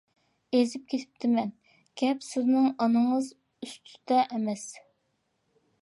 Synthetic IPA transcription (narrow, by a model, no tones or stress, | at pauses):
ezɪp̚kʲʰet̪ʰɪ̥p̚t̪ʰɪmɛn | ɡ̥ʲɛpsɪznɨŋɑnɨŋəz | yst̪ʰy̥d̪ɛʔɛmɛs